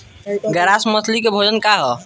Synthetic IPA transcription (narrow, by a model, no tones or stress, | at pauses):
ɡəɾasməsʰlikebʱod͡ʒənkaɦɔ